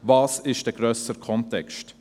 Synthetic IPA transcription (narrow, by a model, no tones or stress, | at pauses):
vɑːsɪʃd̥əɡ̥ɾœːsəkʰɔntɛkʃt